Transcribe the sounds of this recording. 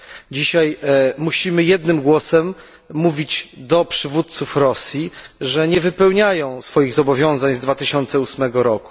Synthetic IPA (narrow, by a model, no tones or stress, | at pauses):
d͡ʑiɕajmuɕimɘjɛd̪nɘmɡwɔsɛmː | uvʲid͡ʑd̪ɔpʂɘvut̪̚t̪sufɾɔsʲjiʐɛɲɛvɘpɛwɲajɔ̃w̃sfɔjiɣzɔbɔvʲjɔ̃w̃zaɲzd̪vat̪ɘɕɔnt̪sɛusmɛɡɔɾɔku̥